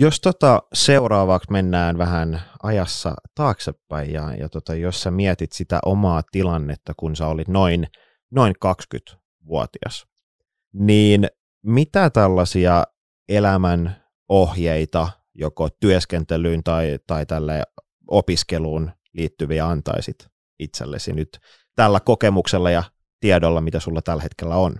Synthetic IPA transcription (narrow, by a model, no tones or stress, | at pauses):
jost̪ot̪ɑseuɾɑːʋɑksmenːæːnʋæhænɑjɑsːɑ̰t̪ɑːksepːæijjɑ̰jɑ̰t̪ot̪ɑjossæmiɛt̪it̪sit̪æ̰ʔomɑːt̪ilɑnːet̪ːɑkunsɑolit̪noin | noiŋkɑksky̰t̪ | ʋuɔ̰t̪iɑ̰s | niːn | mit̪æt̪ælːɑsiɑ | elæmæn | ohjeit̪ɑ | jokot̪yøskent̪elyːnt̪ɑit̪ɑit̪ælːḛː | opiskeluːn | liːt̪ːyʋiɑɑnt̪ɑ̰isit̪ | it̪sḛlːḛsḭnyt̪ | t̪ælːækokemukselːɑjɑ | t̪iɛdolːɑmit̪æsulːɑt̪ælhet̪kelːæon